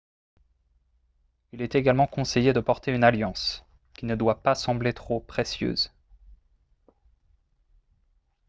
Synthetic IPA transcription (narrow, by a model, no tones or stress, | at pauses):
ilɛt̪eɡalmɑ̃kɔ̃sejed̪əpɔʁt̪eynaljɑ̃s | kʲinəd̪wapasɑ̃blet̪χopχesjø̰ːz